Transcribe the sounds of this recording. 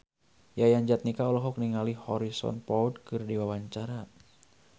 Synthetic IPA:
jajaɲd͡ʒat̪̚nikaɔlɔɦɔk̚niŋalihɔɾisɔ̰npɔud̚kɨrdiwawaɲt͡ʃaɾa

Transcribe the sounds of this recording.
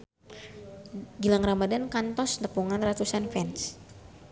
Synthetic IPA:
ɡilaŋramadankant̪ɔsnəpuŋanrat̪usanfɛns

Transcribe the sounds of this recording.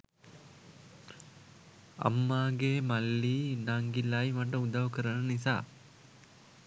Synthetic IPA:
ɐ̰mːaːɡeːmɐlːiːnaŋɡilajmɐʈ̬əud̪ɐʋkəɾənɐnisa̰ː

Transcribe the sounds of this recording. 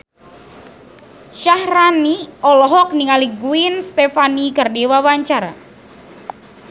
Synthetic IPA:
ʃahraniɔlɔɦɔk̚niŋaliɡuinst̪efanikərdewawaɲt͡ʃaɾa̰

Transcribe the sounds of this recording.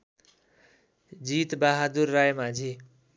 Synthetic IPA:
d͡zit̪baɦad̪urːajmad͡zʱi

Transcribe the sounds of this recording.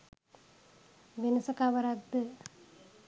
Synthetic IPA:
ʋenəsəkaʋəɾak̚d̪ə

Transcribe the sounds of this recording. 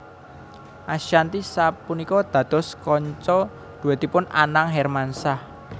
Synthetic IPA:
ʔaʃant̪isapunikɔd̪̥ä̤d̪̥ɔ̤skɔɲt͡ʃɔ | d̪̥ṳwet̪ipʊna̰naŋɦɛrmansah

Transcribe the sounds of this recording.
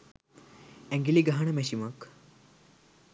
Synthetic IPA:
ɛ̃ŋɡiliɡaɦɐɳəmɛʃimɐk

